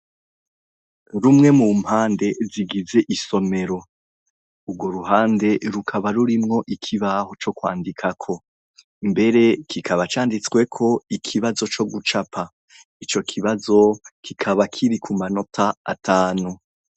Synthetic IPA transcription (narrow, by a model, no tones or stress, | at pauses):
ɾumŋe̞mum̥haːnde̞ziɡize̞ʔiso̞me̞ɾo̞ | ubɡwo̞ɾuɦaːnde̞ɾukʰaβaɾuɾimŋo̞ʔikʰiβaːho̞t͡ʃo̞kwa̰ːndikʰakʰo̞ | mbe̞ɾe̞kʰikʰaβat͡ʃaːndit͡swe̞kʰo̞ikʰiβazo̞t͡ʃo̞ɡut͡ʃapʰa | it͡ʃo̞kʰiβazo̞kʰikʰaβakʰiɾikʰumano̞tʰa̰ːtʰaːnu